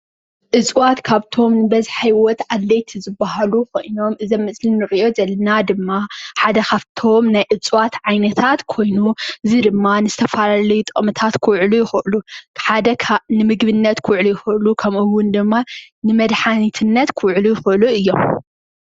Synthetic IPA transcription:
ʔɨt͡sʼwat̪kʰaβt̪ʰo̞mnɨbɐzħajwɔt̪ʕad̪lɐjt̪ʰizɨbːaɦalukʰo̞̰jno̞mʔɨzɐmːɨsʼlinɨʕɨjo̞zɐlɐnad̪ɨmːaħad̪ɐkaβt̪ʰo̞mnajʔɨt͡sʼwat̪ʕajnɐt̪ʰat̪kʰo̞jnuɨzid̪ɨmːanɨz̥ɨt̪ʰɐfalalɐjut̪ʼəʔʼmɨt̪ʰat̪kʰɨwʕlujɪxʔɨluħad̪ɐkʰnɨmɨɡbɨnːɐt̪kʰuwʕlujɪxʔɨlukʰɐmʔɨwːʊnd̪ɨmːa | nɨmɐd̪ħanit̪ʰɨnːɐt̪kʰɨwʕlujɪxɨʔɨluɨjːo̞m

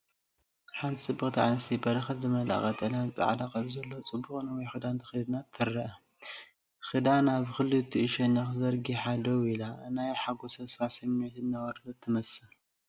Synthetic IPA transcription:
ħant̪ʰisʼɨbːɨxʼt̪ʰʕa̰nɨst̪ʰibɐɾɐxɐt̪zɨmɐla̰χʼɐt̪ʰʼɨnat͡sʼɨ̰ʕd̪akʼɐsʼzɐlːo̞t͡sʼɨbːuχʼnɨwɔjxɨd̪ant̪ʰɐ̥xɨld̪nat̪ʰːɨɾːɐʔɐ | xɨd̪anaβxɨlːɨt̪ʰːuʔɨʃɐnɐxzɐɾɡiħad̪ɐwilaɨnajħaɡosɐsfasɐmot̪ʰɨnːawɐɾt̪ɐt̪ʰːɨmɐsɨ

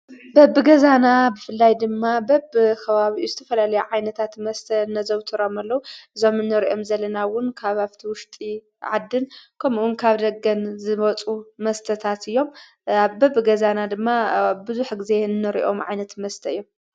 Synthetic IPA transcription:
bɐbːɨɡɐzanabɨfɨlːajd̪ɨmːabɐbkʰɐβaβiʔuzɨt̪ʰɐfɐlalɐjuʕajnɐt̪ʰat̪mɐst̪ʰɐnːɐzɐβt̪ʰɨɾomalːɐwuʔɨzo̞mɨnːɨɾiʔo̞mzɐlɐnawʊnkʰaβaβt̪ʰiwʊʃt̪ʼi | ʕa̰d̪ːɨnkʰɐmuʔunkʰaβd̪ɐɡɐnzɨβɐt͡sʼumɐst̪ʰɐt̪ʰat̪ɨjːo̞m | aβbɐbɨɡɐzanad̪ɨmːabɨzuħɡɨze̞ɨnːɨɾḭʔo̞̰mʕa̰jnɐt̪mɐst̪ʰɐɨjːo̞m

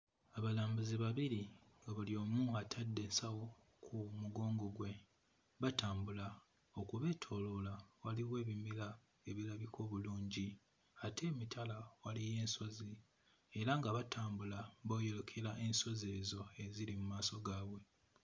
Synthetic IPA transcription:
aβalaːmbuziβaβiɾiŋɡaβuljo̞ːmuatʰadːe̞ːnsawo̞ | kʰumuɡo̞ːŋɡo̞ɡwe̞ | βataːmbula | o̞kuβe̞ːtʰo̞ːlolawaliwe̞ːβimila | e̞βilaβikʰo̞ːβuluːɲɟi | atʰe̞ːmitʰalawalije̞ːnso̞zi | e̞ɾaŋɡaβatʰaːmbulaβoːjo̞lokʰe̞laʔe̞nso̞ze̞ːzo̞e̞zilimumaːso̞ɡaːβwe̞

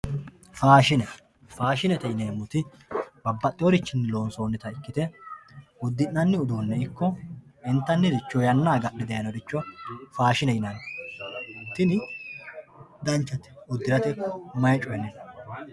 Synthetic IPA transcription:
faːʃɪnɛ | faːʃɪnɛt̪ɛjɪneːmːʊt̪ɪ | bɐbːɐt̪ʼːɪɔɾɪt͡ʃːɪnːɪlo̞ːnsoːnːɪt̪ɐɪkːɪt̪ɛ | ʊd̪ːɪnːɐnːɪʊd̪oːnːɛɪkːɔɪnt̪ːɐnːɪd̪ɪt͡ʃːɔjɐnːaːɡɐɗɪd̪ɐjɐnɔd̪ɪt͡ʃːɔfaːʃɪnɛjɪnɐn | t̪ɪnɪ | d̪ɐnt͡ʃːɐt̪ɛ̥ʊd̪ːɪɾɐt̪ɛkmɐjt͡ʃʼɔjɛnɛn

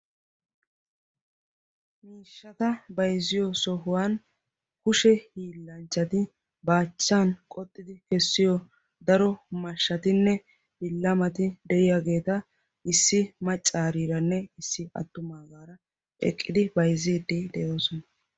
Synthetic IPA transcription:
miːʃːɐt̪ɐbɐjzɪjɔsɔɦʊwan | kʊʃɛhiːlːɐnt͡ʃːɐt̪ɪ | baːt͡ʃːaːnkʼɔt̪ʼːɪd̪ɪkɛsːɪjɔ | d̪ɐɾɔmɐʃːɐt̪ɪnːɛ | bɪlːɐmɐt̪ɪd̪ɛʔɪjaɡe̞ːt̪ɐ | ɪsːɪmɐt͡ʃʼːaːɾiːɾɐnːɛɪsːɪɐ̰t̪ːʊmaːɡaːɾɐ | ʔɛ̰kʼːɪd̪ɪbɐjzɪd̪id̪ɛɛd̪ɔsɔnɐ

